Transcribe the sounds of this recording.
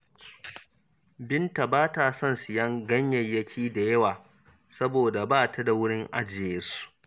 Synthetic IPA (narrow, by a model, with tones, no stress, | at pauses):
bɪ˦nta˨baː˦ta˨sɔ˦˨nsɪ˨jɐ˦ŋɡɐ˦ɲjɐ˨jjːɐ˦kʲʰiː˦da˨jɐ˦waː˨ | sɐ˦boː˨da˨baː˦˨tʰa˨da˨wʊ˦ɽɪ˦ŋʔa˦d͡ʒɪ˨jeː˦su̥˦˨ʔ